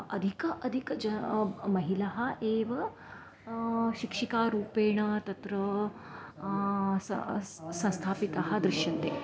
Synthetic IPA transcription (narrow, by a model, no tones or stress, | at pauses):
ɐd̪ʱikɐʔɐd̪ʱikd͡ʒɐmɐɦilɐɦaʔeːʋɐ | ɕikʂikaɾuːpeːɳɐt̪ɐt̪ɾə | ssɐ̃st̪ʰaːpit̪aɦad̪ɾiʂjɐnt̪e